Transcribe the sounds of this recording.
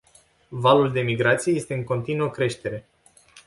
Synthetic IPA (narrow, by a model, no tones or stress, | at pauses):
valuld̪e̞miɡɾat̪sije̞je̞st̪e̞ɨŋko̞nt̪inuokɾe̞ʃt̪e̞ɾe̞